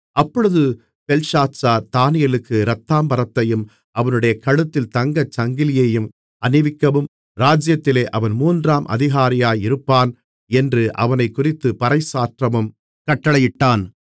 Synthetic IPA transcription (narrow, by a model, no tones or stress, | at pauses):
ʔɐpːɔɻɯðɯ | pɛlʂaːt͡ʃaːt̪aːnɪjɐlɯkːɯɾɐt̪ːaːmbɐɾɐt̪ːɐjɯm | ʔɐʋɐnɯɽɐjɐkɐɻɯt̪ːɪlt̪ɐŋɡɐt͡ʃɐŋɡɪlɪjeːjɯm | ʔɐnɪʋɪkːɐʋɯm | ɾaːd͡ʒɪjɐt̪ːɪleːʔɐʋɐnmuːndraːmʔɐ̰ðɪɣaːɾɪjaːjɪɾɯpːaːn | ɛndrɯʔɐ̰ʋɐnɐɪkːʊrɪt̪ːɯpɐɾɐɪsaːʈrɐmɯm | kɐʈːɐɭɐjɪʈːaːn